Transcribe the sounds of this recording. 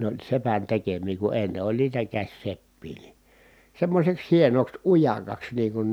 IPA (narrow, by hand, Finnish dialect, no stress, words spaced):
nĕ olʲ sepæn tekemiː ku enːe olʲ niːtæ kæsʲsepːiː ni semːosʲeks hienoks ujɑkɑks niːŋ kun